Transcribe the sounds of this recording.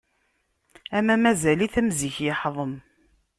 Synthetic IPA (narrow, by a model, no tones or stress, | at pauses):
æmæmæzæliθæmziçjɪħðˤəm